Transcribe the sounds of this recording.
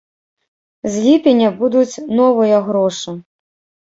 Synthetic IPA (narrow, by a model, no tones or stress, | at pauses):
zʲlʲipʲɛnʲɐbud̪ut͡sʲnɔvɨjɐɣɾɔʂɨ